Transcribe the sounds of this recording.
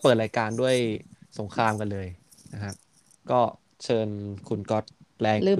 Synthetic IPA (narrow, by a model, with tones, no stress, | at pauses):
pɤː˨˩t̪̚ɾaː˧jkaː˧ndu˥˩əjso˩˦ŋkʰɾaː˧mka˧nlɤː˧j | na˦˥kʰa˦˥p̚ | kɔː˥˩ | t͡ɕʰɤː˧nkʰu˧nkɔ˦˥t̪̚lɛː˧ŋlɯ˥˩